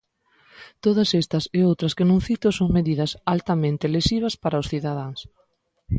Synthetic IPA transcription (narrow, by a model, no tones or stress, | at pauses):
t̪oðɐsɛst̪ɐsɪowt̪ɾɐskɪnõŋθit̪osoŋmeðiðɐsalt̪amẽnt̪elesiβ̞ɐspaɾɐʊsθiðað̞aŋs